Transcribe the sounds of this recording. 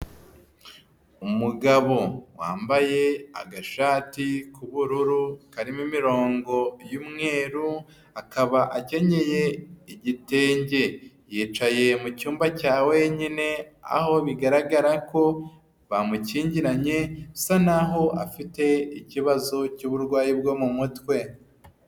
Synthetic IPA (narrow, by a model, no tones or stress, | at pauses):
umuɡaβo̞wa̰ːmbaje̞a̰ɡaʃaːtikuβuɾuɾukaɾimimiɾo̞ːŋɡo̞jumŋe̞ːɾu | akaβaʔace̞ɲe̞je̞iɟite̞ːɲɟe̞ | jiːt͡ʃaje̞mucuːmbacaːwe̞ɲine̞a̰ho̞βiɡaɾaɡaɾako̞ | βamuciːɲɟiɾaɲe̞sanaɦo̞ʔa̰fite̞iciβazo̞cuːβuɾɡwaːjibɡo̞mumutwe̞